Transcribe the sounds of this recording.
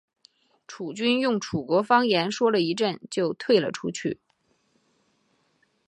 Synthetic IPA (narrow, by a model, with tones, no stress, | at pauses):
ʈ͡ʂʰu˨˩t͡ɕy˥njʊ˥˩ŋʈ͡ʂʰu˨˩kwɔ˧˥fɑ˥ŋjɛ˧˥nʂwɔ˥lə˨i˧˥ʈ͡ʂə˥˧nt͡ɕjo˥˧ʊt̪ʰwe˥˩ɪlə̰˩ʈ͡ʂʰu˥t͡ɕʰy̰˥˩